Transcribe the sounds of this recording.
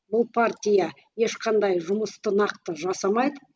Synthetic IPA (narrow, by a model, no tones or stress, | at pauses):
bʊlˠpʰart̪ʲijɑ | je̞ʃqʰɑnd̪ɑjʒʊməst̪ənɑqt̪əʒɑsɑmɑjd̪ə